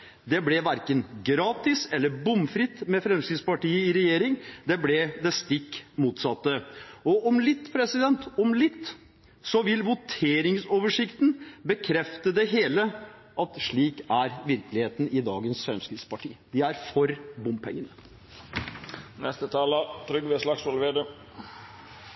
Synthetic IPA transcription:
d̪ɛblɛʋæɾkənɡɾɑːt̪ɪsɛlːəɾbʊmfɾɪt̪ːmɛfɾɛmskɾɪd̪spɑʈiːəɪɾɛjeːɾɪŋd̪ɛblɛd̪ɛst̪ɪkːmuːt̪sɑt̪ːəɔʔɔmlɪt̪ːpʰɾɛsɪd̪ɛnt̪ɔmlɪt̪ː | sɔʋɪlʋʊt̪ʰeːɾɪŋsoːʋəʂɪkt̪n̩bəkʰɾɛft̪əd̪ɛɦeːlə | ʔɑt̪ʂɭiːkæɾʋɪɾklɪheːt̪n̩ɪd̪ɑ̰ːɡənsfɾɛmskɾɪd̪spɑʈʰḭːəd̪ɪæɾfɔɾbʊmpʰɛ̰ŋːənə | nɛst̪ət̪ʰɑːlət̪ʰɾʏɡʋeslɑksolʋeːd̪ə

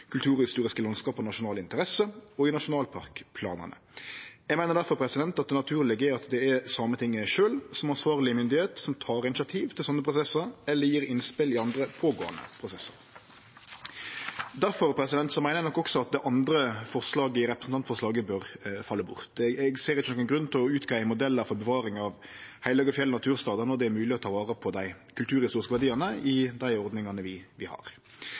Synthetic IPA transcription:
kʰʉlt̪ʉːʁɪst̪uːɾɪskəlɑnskɑːpɔnɑʃʊnɑːlɪnt̪əɾɛsəɔɪnɑʂʊnɑːlpʰɑʁkpʰlɑ̰ːnə̰ʁnə̰jɛɡmæɪnəʁd̪æɾfɔʁpʰɾɛsɪd̪ɛnt̪ɑt̪̚ɛnɑt̪ʰʉːɾlɪɡəɛɑt̪d̪ɛɛsɑmət̪ʰɪŋːəʃøːlsɔmɑnsʋɑːʁlɪəmʏnd̪ɪheːt̪sɔmt̪ʰɑːɾɪnɪsjɑt̪ʰiːʋt̪ʰɪlsɔnːəpʰɾʊsɛsːəɾɛlːəɾjiːɾɪnspɪlɪɑnd̪ɾəpʰoːɡo̰ːə̰nə̰pʰɾʊsɛsːəɾ | d̪æɾfɔɾpʰɾɛsɪd̪ɛnt̪sɔmæɪnəɛnɔkːɔksɔɑt̪̚d̪ɛʔɑnd̪ɾəfɔʁslɑːɡəɪɾɛpɾəsn̩t̪ɑnt̪fɔʁʂlɑːɡəbøɾfɑlːəbʊ̰ʁt̪ɛɡseːɾɪt͡ʃːənɔkːənɡɾʉnːt̪ʰɪlɔʉːt̪ɡʰæɪəmʊd̪ɛlːəɾfɔɾbɛʋɑːɾɪŋɑʋhæɪləɡɔfjɛlːənɑt̪ʰʉːɾst̪ɑːd̪ənɔɾd̪ɛæɾmʉːlɪɔt̪ʰɑːʋɑːɾəpʰɔd̪æɪ | kʰʉlt̪ʰʉːɾhɪst̪uːɾɪskəʋæʁdiːənəɪd̪æɪɔɾd̪nɪŋɑnəʋɪʋɪhɑ̰ɾ

